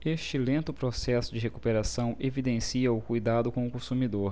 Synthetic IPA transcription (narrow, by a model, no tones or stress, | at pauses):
eʃt͡ʃɪlẽnt̪ʊpɾosɛsʊd͡ʒɪɦekupeɾasɐ̃w̃evid̪ẽsiɐʊkujd̪ad̪ʊkõʊkõsumid̪oɾ